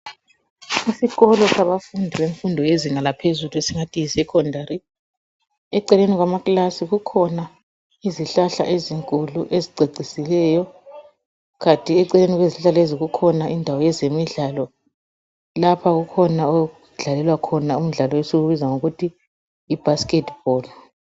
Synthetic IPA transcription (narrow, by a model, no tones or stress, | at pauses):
isiɣɔlɔsaβafundʱiβeɱfundʱɔjeziŋalapʰezuluesiŋatʼisɛkʰɔndʱaɾi | ɛǀɛleniɣwamaklasiɣukʰɔna | iziɬaɬa̰ʔeziŋkʼuluʔeziǀʱeǀʱisilɛːjɔ | ɣatʼiɛǀɛleniɣweziɬaleziɣukʰɔnaʔindʱawɔjɛzemiɮalɔ | lapʰaɣukʰɔnao | ɮalɛlwakʰɔnaum̩ɮalɔwesuɣuβizaŋoɣutʰiː | b̥ʱaskʼɛtb̥ʱɔl